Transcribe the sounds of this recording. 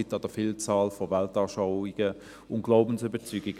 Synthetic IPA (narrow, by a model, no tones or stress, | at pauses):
ɪtɑd̥əfiːlt͡saːlfɔvɛltɑːʃaʊiɡ̥ə | ʊn̚ɡ̥laʊbn̩sybət͡syːɡɪɡ